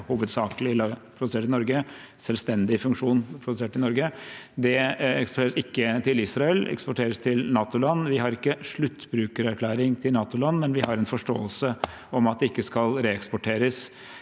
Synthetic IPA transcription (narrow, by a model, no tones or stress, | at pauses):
huːʋəd̪sɑːklɪlpʰɾʊd̪ʉseːʈɪnɔɾɡə | sɛlst̪ɛnd̪ɪfʉŋkʂuːnpʰɾʊd̪ʉseːʈɪnɔɾɡəd̪ɛɛkspɔʈʰeːɾəsɪkːət̪ʰɪlɪsɾɑɛlɛ̰kspɔʈʰeːɾəst̪ʰɪlnɑːt̪ʊlɑnːʋɪɦɑɾɪkːəʂɭʉt̪ːbɾʉːkəɾæɾkʰlæːɾɪŋt̪ʰɪlnɑːt̪ʊlɑnːmɛnʋɪhɑɾɛnfɔʂʈo̰ːəlsə | ɔmɑt̪̚d̪ɛɪkːəskɑlɾeːɛkspɔʈʰeːɾəs